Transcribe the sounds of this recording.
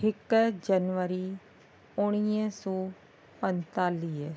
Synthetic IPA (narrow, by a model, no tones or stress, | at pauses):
ɪkd͡ʒənʋəɾiː | ʊɽ̃iə̃sɔː | pənt̪aːliːɛ